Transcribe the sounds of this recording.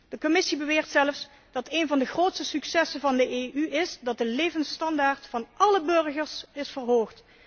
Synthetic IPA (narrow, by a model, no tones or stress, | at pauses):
dəkomɪsibəʋɪːɹtsɛləfs | d̥ɑtejnvɑndəχroːwtstəsyksɛsəvɑndəʔeːʔyʔɪsdɑt̚dəlejvənstɑndaːɹtfɑnʔɑləbɵrɣərsɪsfərɦoːxt